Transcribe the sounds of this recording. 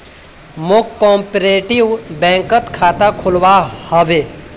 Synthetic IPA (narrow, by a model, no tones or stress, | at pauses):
mokkːɔ̃ːmpɾeːʈiwbɛ̃ːŋkət̪kʰaːt̪akʰʊlwahɔʋeː